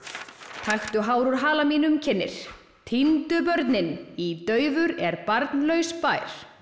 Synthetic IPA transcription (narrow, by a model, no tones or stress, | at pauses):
t̪ʰajxt̪ʏɦaːwɾuɾ̥ɦaːlamiːnʏmcʰɛnːɪ̰ɾ̥ | t̪ʰint̪ʏpœɾt̪nɪnit̪œːɥvʏɾɛɾpaɾt̪nlœɥspaːjɾ̥